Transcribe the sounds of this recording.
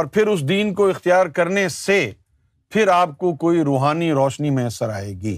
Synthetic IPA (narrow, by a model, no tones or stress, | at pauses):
ɔːɾpʰɪɾʊs̬d̪iːnkoɪxt̪ijaːɾkɐɾnese | pʰɪɾaːp̚kokoːiɾoːɦaːniɾɔːʃnimẽɐsəɾa̰ːeːɡiː